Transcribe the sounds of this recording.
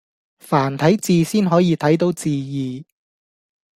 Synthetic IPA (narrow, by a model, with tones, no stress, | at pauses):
faː˨˩nt̪ʰɐ˨˥jt͡siː˨˧siː˥nɦɔː˨˥jiː˨˧t̪ʰɐ˨˥jt̪̬o˨˥wt͡siː˨˧jiː˨